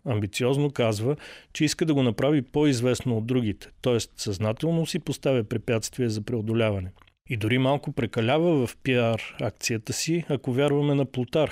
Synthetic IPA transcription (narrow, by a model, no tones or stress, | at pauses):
ɐmbit̪siɔznokazvət͡ʃɛiskəd̪ɐɡonɐpɾavipoizvɛsnood̪ːɾuɡ̟it̪ɛ̥t̪ɔɛst̪sɐznat̪ɛlˠnosipost̪avʲəpɾɛpʲjat̪st̪viɛzɐpɾɛod̪olʲavɐnɛ | id̪ʊɾimalˠkopɾɛkɐlʲavəvɐfpiaɾak̚t̪sijət̪əsiɐkovʲjaɾvɐmɛnɐplˠʊt̪aɾ